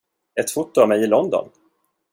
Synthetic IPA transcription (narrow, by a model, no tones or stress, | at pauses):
ɛt̪fʊt̪ːʊavmɛjɪlɔnd̪ɔ̰n